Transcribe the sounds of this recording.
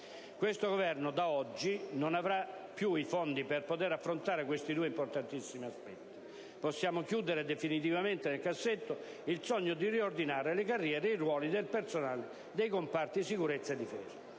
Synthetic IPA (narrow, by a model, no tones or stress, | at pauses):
kwest̪oɡovɛrnod̪aɔd͡ʒːinonavɾa | pːjuifɔnd̪ipɛrpot̪ɛːɾafːɾont̪aːɾekwest̪id̪uːɛimport̪ant̪isːimiaspɛt̪ːi̥ | pɔsːjaːmokjuːd̪eɾed̪efinit̪̬ivament̪enelkasːet̪ːo | ilt̪sɔɲːod̪iriord̪inaːɾelekarːjɛːɾeirwɔːlid̪elpersonaːl | d̪ejkompart̪isikuɾet̪sːaed̪ːifɛ̰ːzḁ